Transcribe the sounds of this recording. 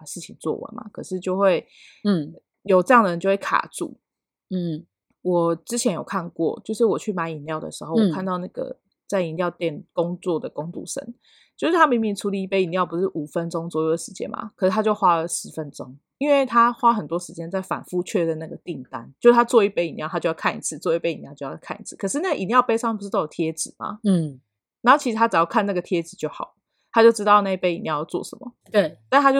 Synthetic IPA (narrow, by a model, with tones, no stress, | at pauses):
ʂɻ̩˥˩t͡ɕʰḭ˨ŋt͡swɔ̰˥˩wə̰˨˦nma̰˩kʰɤ˨˩ʂɻ̩˥˧t͡ɕjo˥˧ʊxwe˥˩ɪ˥˩ | jo˨˩ʊʈ͡ʂɤ˥˧jɑ˥˩ŋd̪ə˩ə˧nt͡ɕo˥˧ʊwe˥˩kʰa̰˨˩ʈ͡ʂṵ˥˩˥ | wɔ˨˩ʈ͡ʂɻ̩˥t͡ɕʰjɛ˧˥njo˨˩ʊkʰa˥˧nkwɔ̰˥˨t͡ɕjo˥˧ʊʂɻ̩˥˩wɔ˨˩t͡ɕʰy˥˩ma˧˥ni˨˩nljɑ˥˨˩ʊd̪ə̰˩ʂɻ̩˧˦xo˥˩ʊwɔ˨˩kʰa˥˧nt̪ɑ˥˧ʊna˥˩ɡə̰˩ | t͡sa˥˩ɪi˧˩nljɑ˥˧ʊt̪jɛ˥˩nkʊ˥ŋt͡swɔ˥˩d̪ə˩ko˦ŋt̪ṵ˥˩ʂə̰˨˩˦ŋ | t͡ɕjo˥˧ʊʂɻ̩˥˩t̪ʰa˥mi˧˥ŋmi˧˩ʈ͡ʂʰu˧˥li˨˧˩i˥˩pe˥ɪi˨˩nljɑ˥˩ʊp̬u˧˥ʂɻ̩˥˩ʔu˨˩fə˦nʈ͡ʂo˥ŋswɔ˧˥jo˥˩ʊd̪ə˩ʂɻ̩˧t͡ɕjɛ̰˥˩nma̰˩kʰə˨˩ʂɻ̩˥˩tʰa˥t͡ɕjo˥˩ʊxwa˥lə˨ʂɻ̩˧˦fə˦nʈ͡ʂo˦˥ŋ | i˥nwe˥˩ɪt̪ʰa˥xwa˥xə˨˩nt̪wɔ˥ʂɻ̩˧˥t͡ɕjɛ˥nt͡sa˥˩ɪfa̰˨˩nfu˥˧t͡ɕʰɥɛ˥˧də˩na˥˩ɡə˩t̪i˥˨˩ŋt̪a˦njo˥˧ʂ̩˥˩tʰa˥t͡swɔ˥˧i˥˩pe˥i˨˩nj̪ʰa˥t͡ɕjo˥˧jɑ˥kʰa˥˩nḭ˥˩t͡sʰɹ̩˥˧t͡swɔ˥˧i˥˩pe˥i˨˩njɑ˥˧ʊt͡ɕo˥˧jɑ˥˩kʰa˥˩ʔḭ˧˥˩t͡sʰɹ̩˥˩kʰɤ˨˩ʂɻ̩˥˧na˥˩ə˨ʔi˨˩njɑ˥˧ʊpe˥ɪsɑ˥˩ŋpu˩˥ɑ˥˩ʊ˨˩jɛ˦˥t͡sɹ̩˨˩ma̰˩ | na˨˧˦ho˥˩t͡ɕʰi˧˥ʂɻ̩˧t̪ʰa˥t͡sa˨˩˦jɑ˥˩kʰa˥˧na˥˩ɡə˩t̪ʰjɛ˦˥t͡sɹ̩˨˩t͡ɕjo˥˩ʊxɑ˨˩˦ʊlə | t̪ʰa˥t͡ɕjo˥˩ʊʈ͡ʂɻ̩˥t̪ɑ˥˧ʊna˥˧i˥pe˥ɪi˨˩njɑ˥˧ʊjɑ˥˧t͡swɔ̰˥˩ʂə̰˨˦nmə̰˩t̪e˥˩t̪a˥˩˧t̪a˥t͡ɕjo˥˧